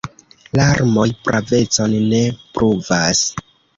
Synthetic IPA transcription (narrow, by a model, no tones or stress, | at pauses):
laɾmo̞jpɾʔave̞t͡so̞nne̞pɾʔuvas